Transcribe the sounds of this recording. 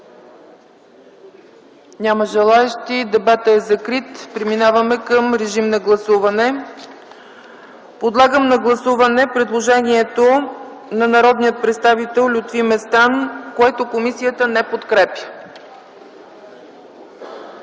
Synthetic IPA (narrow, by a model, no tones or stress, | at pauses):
nʲaməʒɛlˠaɛʃt̪id̪ɛbat̪əɛzɐkɾit̪pɾiminavəmɛkəmɾɛʒimnɐɡlˠɐsuvɐnɛ | pod̪lˠaɡəmnɐɡlˠɐsuvɐnɛpɾɛd̪lˠoʒɛniɛt̪onɐnɐɾɔd̪nijət̪̚pɾɛt̪st̪avit̪ɛlˠlʲut̪vimɛst̪ankoɛt̪okomisijət̪ənɛpot̪kɾɛpʲjə̥